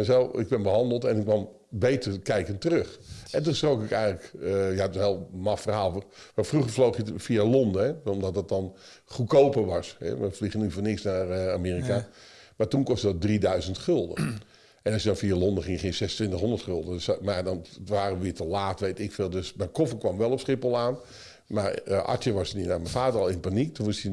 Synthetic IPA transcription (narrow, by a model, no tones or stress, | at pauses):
ɛsɛlˠɪ̰ɡ̚bɛnbəɦɑndəlˠtɛnɪkʋɔm | bejtəkɛjkəntərøχɛntunsrowkɪkɛjənləkjɛp̚təɦeːlˠmɑfərhaːlˠformafruχərflowχjəfialɔndəɛomdɔtdət̚dɔn | χukowpəʋɑshɛ̰ʋəfliɣənyfonɪksnaramiːrikamatunkɔstədɔdridœɥzəntχølˠdə̰ | ʔɛnɔsjədɔnfialˠondəχɪŋəχiːnsɛsəntʋɪntəχɦondərtχølˠdəsmadɔnʋaːrəəʋɪːtəlaːtʋejtɪkfɪːlˠdøsmɛkofəkʋɑmʋɛlˠɔpsχɪpəlˠaːn | marʔɑ̰tjəʋɔsəninamɛnfaːdərɔlˠɪnpanik̚tunʋʊsə